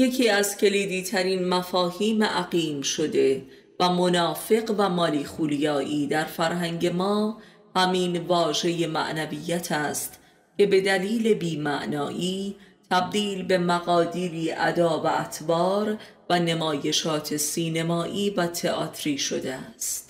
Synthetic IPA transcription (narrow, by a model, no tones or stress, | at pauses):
je̞cʰiːæzcʰe̞liːd̪iːt̪ʰæɾiːnmæfɒːhiːmeʔæɣiːmʃo̞d̪e̞ | væmo̞nɒːfe̞ɣvæmɒːliːxuːljɒːʔiːd̪æɾfæɾɦæŋɟe̞mɒː | hæmiːnvɒːʒe̞je̞mæ̰ʔnæviːjːæt̪ʰæːst̪ | ce̞be̞d̪æliːle̞biːmæʔnɒːʔiːt̪ʰæb̚d̪iːlbe̞mæɣɒːd̪iːɾiːʔæ̰d̪ɒːvæːt̪ʰbɒːɾ | væne̞mɒːje̞ʃɒːt̪ʰe̞siːnemɒːʔiːvæt̪ʰe̞ʔɒːt̪ʰɾiːʃo̞d̪eæst̪